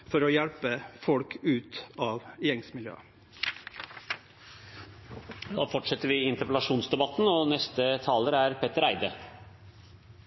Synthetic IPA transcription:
fɔɾɔːjæɽpəfɔlkʰʉːt̪ɑːʋjɛŋsmɪljø̰ːə | d̪ɑ̰ːfɔʈʂɛt̪əɾʋɪɪnt̪əpɛlɑʂuːnsd̪ɛbɑt̪ːnoːnɛst̪ət̪ʰɑːləɾəæɾpʰet̪ːəɾæɪd̪ə

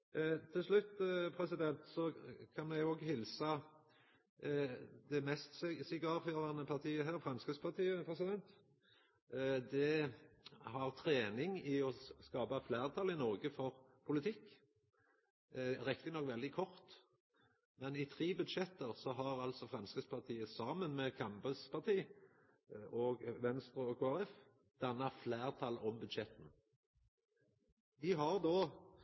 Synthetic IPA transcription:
t̪ʰːɪlslʉt̪ːpʰʁɛsɪd̪ɛnt̪sɔkʰɑnmɛɡoːɡhɪlsɑ | d̪ɛmɛst̪sɪɡɑːføːʁɑnəpʰɑʁt̪ʰiːəɦæːɾfʁɑnskəspʰɑt̪ʰiːəpʰɾɛsɪd̪ɛnt̪ | d̪ɛ | hɑʁt̪ʰɾeːnɪŋɪɔskɑːbɑflæːʁt̪ʰɑlɪnɔʁɡəfɔʁpʰʊlɪt̪ʰɪkː | ʁɛkt̪ɪnɔkːʋɛld̪ɪkʰɔʁt̪ | mɛnɪt̪ʰʁiːbʉd̪ʃɛt̪ːəʁsɔɦɑʁɑlsɔfʁɑnskəspʰɑʁt̪ʰiːəsɑːmənmɛkʰɑmbəspʰɑʁt̪ʰiː | ʔoːɡʋɛnst̪ʁʉɔkʰʊɑʁɛf | d̪̥ɑnːɑflæːʁt̪ʰɑlɔmbʉd̪ʃɛt̪n̩ | d̪ɪɦɑʁd̪oː

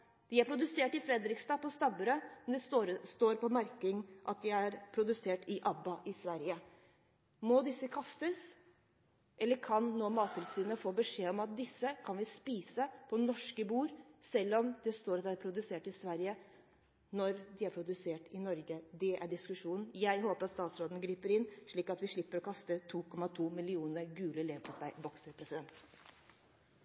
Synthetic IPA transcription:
d̪̥ɪæɾpʰɾʊd̪ʉseːʈɪfɾɛd̪ɾɪkst̪ɑːpɔst̪ɑbəɾømɛnd̪ɛsɾst̪oːɾpɔmæɾkɪŋʔɑ̰t̪̚d̪ɪæɾpʰɾʊd̪ʉseːʈɪʔɑbːɑʔɪsʋæɾjə | mɔd̪ɪsːəkʰɑst̪əs | ʔɛlːəɾkʰɑnnoːmɑːt̪ʰːɪlsyːnəfoːbəʂeːɔmɑt̪̚d̪ɪsːəkʰɑnʋɪspiːsəpʰɔnɔʂkəbuːɾsɛlːɔmd̪ɛst̪oːɾɑt̪d̪æɾpʰɾʊd̪ʉseːʈɪsʋæɾjə | nɔɾd̪ɪæɾpʰɾʊd̪ʉseːʈɪnɔɾɡəd̪ɛʔæɖɪskʉʂuːnn̩jæɪɦoːpəɾɑt̪st̪ɑːt̪sɾoːd̪nɡɾiːpəɾɪnʂɭiːkɑt̪ʋɪʂɭɪpːəɾɔkʰɑst̪ət̪ʰuːkʰɔmɑt̪ʰuːmɪlɪuːnəɾɡʉːləleːpʰɔsæɪbɔksəɾpʰɾɛsɪd̪ɛnt̪

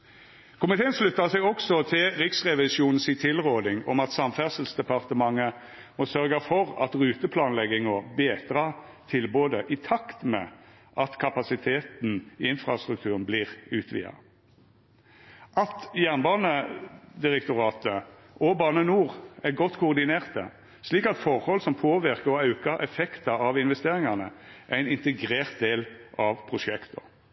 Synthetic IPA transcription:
kʰʊmɪt̪ʰeːənʂlʉt̪ːɑsɛɪɔksɔt̪ʰɪlʁɪksʁɛʋɪsuːnn̩siːt̪ʰɪlʁoːd̪ɪŋɔ̰mɑt̪sɑmfæʁsəl̩sd̪ɛpɑʁt̪əmɑŋːə | mɔsœʁɡɑfɔʁɑ̰t̪ʁʉːt̪əpʰlɑːnlɛɡɪŋɔbeːt̪ʁɑːt̪ʰɪlboːd̪əʔɪt̪ʰɑkt̪mɛ̰ | ʔɑt̪kʰɑpɑsɪt̪ʰeːt̪n̩iːɪnfʁɑst̪ʁʉkt̪ʰʉːʁənblɪːʁʉːt̪ʰʋḭːɑ̰ | ʔɑt̪jæʁnbɑːnəd̪ɪʁɛk̚t̪ʊʁɑːt̪ə | ʔobɑːnənuːʁæɡɔt̪ːkʰʊːʁd̪ɪneːʁt̪ə̰ | sliːkɑt̪fɔʁhɔlsɔmpʰoːʋɪʁkəʁɔɑʉkɑɾʔɛfɛkt̪ɑɑʋɪnʋɛst̪eːʁɪŋɑnəʔæɪnɪnt̪əɡʁeːʁt̪̚d̪eːlʔɑʋpʰʁʊʃɛkt̪ɔ

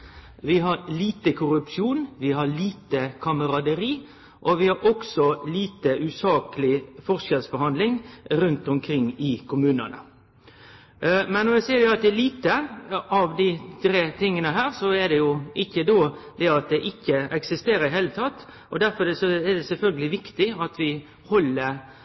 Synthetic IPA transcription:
ʋɪɦɑɾliːt̪əkʰʊɾʉpʃjuːnʋɪɦɑliːt̪əkʰɑməɾɑd̪əɾiː | ʔɔʋɪhɑɾɔksɔliːt̪əʔʉːsɑːkəlɪfɔʁʂɛlsbɔɾhɑnd̪lɪŋɾʉnt̪ɔmkʰɾɪŋːɪkʰʊmʉːnə̰nə̰ | mɛnːɔɾjæsæɪɾjʊɑt̪̚d̪ɛɛliːt̪əʔɑʋd̪ɪt̪ʰɾeːt̪ɪŋːənəɦæːɾsɔɛd̪ɛjʊʔɪçːəd̪oːd̪ɛɑt̪̚d̪ɛʔɪçːəɛksɪst̪eːɾəɾɪɦeːlət̪ʰɑt̪ː | ɔd̪æɾfɔɾɛsɔɛd̪ɛsɛlfœlɡəlɪʋɪkt̪ɪɑt̪ʰʋɪ | hɔlːəɾ

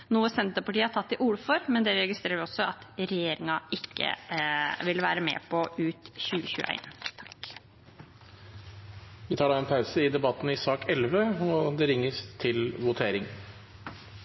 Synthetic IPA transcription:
nuːəsɛnt̪ɾpɑʈiːəhɑʈʰɑt̪ːɪʔʊlfɔɾmɛnd̪ɛɾɛɡɪst̪ɾeːɾəɾʋɪɔsɔɑt̪ɾɛjeːɾɪŋɑɪkːə̰ʋɪlʋæːɾəmɛ̰ːpʰɔʉːt̪çʉːəçʉ̰ːʔæ̰ɪnt̪ʰɑk | ʋɪt̪ʰɑːɖɑːɛnpʰaʉsəɪd̪ɛbɑt̪ːnɪsɑːkɛlʋəɔd̪ɛɾɪŋːəst̪ʰɪlʋʊt̪ʰeːɾɪŋ

